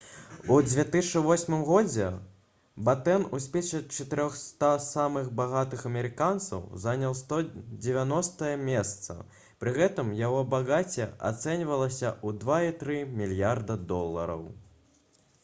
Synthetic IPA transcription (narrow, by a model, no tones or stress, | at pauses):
ud͡zʲvʲet̪ɨʂɨvɔsʲmɨmɣɔd͡zʲɛ | bat̪ɛnusʲpʲɛʂɐt͡ʂɐt̪ɨɾʲɔxst̪asamɨxbaɣat̪ɨxɐmʲɛɾɨkant̪sɐ̰wzanʲɐlˠst̪ɔd͡zʲɛvʲanɔst̪ɐjɐmʲɛst̪sɐ̰ | pɾɨɣɛt̪ɨmjaɣɔbaɣat͡sʲɛa̰t̪sɛnʲvɐlˠɐsʲɐud̪vait̪ɾɨmʲilʲjard̪ɐd̪ɔlˠːɐ̰ɾɐ̰w